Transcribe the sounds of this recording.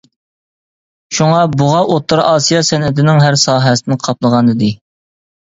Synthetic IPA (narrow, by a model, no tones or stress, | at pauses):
ʃuŋɑbuʁɑʔot̪ːuɾɑːsijɑsɛnɪd̪ɪnɪŋɦæɾsɑːɦɛsɪnqʰɑplˠəʁɑnɨd̪ɨ